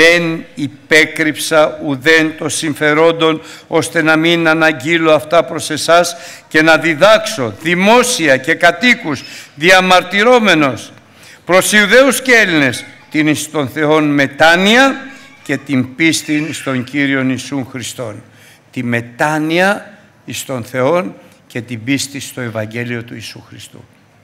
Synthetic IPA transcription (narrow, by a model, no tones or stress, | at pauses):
enipe̞kɾipsɐuðe̞nt̪o̞siɱfe̞ɾo̞nd̪o̞no̞st̪e̞nɐminɐnɐɟilo̞ɐft̪ɐpɾo̞se̞sɐsce̞nɐðiðɐkso̞ðimo̞siɐce̞kɐt̪ikusðiɐmɐɾt̪iɾo̞me̞no̞s | pɾo̞siuðe̞uscee̞line̞st̪inist̪o̞nθe̞o̞nme̞t̪ɐniɐ | ce̞t̪imbist̪inst̪o̞ɲciɾio̞nisunxɾist̪o̞n | t̪ime̞t̪ɐniɐ | ist̪o̞nθe̞o̞n | ce̞t̪ibist̪ist̪o̞e̞vɐɲɟe̞lio̞t̪uisuxɾist̪ṵ